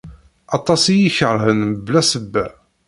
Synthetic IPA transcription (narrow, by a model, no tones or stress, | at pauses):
ɑt̪ˤɑsijiçəɾˤɦənblæsəbːæ